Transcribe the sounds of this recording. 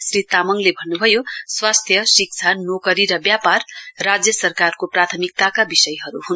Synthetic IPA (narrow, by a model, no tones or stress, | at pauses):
srit̪amʌŋlebʱʌnːubʱʌjoswast̪ʰjʌsik̚t͡sʰanokʌɾiɾʌbjaparːad͡zjʌsʌrkarkoprat̪ʰʌmik̚t̪akabisʌjɦʌɾuɦun